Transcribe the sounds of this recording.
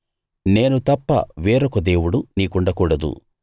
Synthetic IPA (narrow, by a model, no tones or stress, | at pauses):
ne̞ːnut̪ɐpːɐ̰ʋeːɾɔkɐd̪eːwuɽuniːkuɳɖɐkuːɽɐd̪ṵ